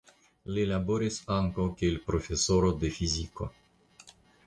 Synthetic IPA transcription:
lelaboɾisaŋkokeilpɾofesoɾod̪efiziko̰

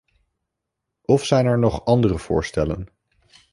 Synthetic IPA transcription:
ɔfsɛjnɛɹnɔχɑndərəv̥ʊ̰ːɹstɛlə̰n

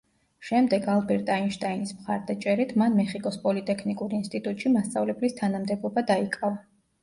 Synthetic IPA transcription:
ʃɛmd̪ɛɡalˠbɛɾt̪ʼainʃt̪ʼainismχa̰ɾd̪at͡ʃʼɛɾit̪ʰmanmɛχikʼɔspʼɔlit̪ʼɛkʰnikʼuɾinst̪ʼit̪ʼut̪ʼʃimast̪sʼa̰vlɛblist̪ʰanamd̪ɛbɔbad̪aikʼava

